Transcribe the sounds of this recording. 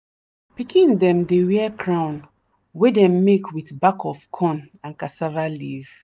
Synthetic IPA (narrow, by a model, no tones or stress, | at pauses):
pikʰĩndɛ̃mdewɛɛkʰɾãʊ̃n | wedɛ̃mːekʰwiθbakʰɔfkʰɔ̃n | ãnkasavaliv